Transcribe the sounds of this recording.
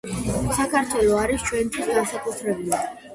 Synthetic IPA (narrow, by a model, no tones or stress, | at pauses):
sakʰaɾt̪ʰwɛlˠɔaɾist͡ʃʰwɛnt̪ʰwisɡansakʼut̪ʰɾɛbili